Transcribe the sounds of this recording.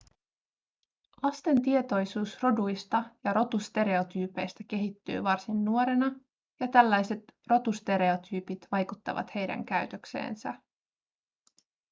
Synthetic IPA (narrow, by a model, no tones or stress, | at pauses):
lɑst̪e̞nt̪ie̞t̪o̞jsuːsro̞dujst̪ɑjɑɾo̞t̪ust̪e̞ɾe̞o̞t̪yːpe̞jst̪æk̟e̞ɦit̪ːy̰ːʋɑrsinːuo̞ɾe̞nɑ | jɑt̪ælːæjse̞t̪ro̞t̪ust̪e̞ɾe̞ot̪ʰyːpit̪ʋɑjkut̪ːɑ̰ʋɑ̰t̪he̞jdæ̰ŋkæɥt̪ø̞kse̞̰ːnsæ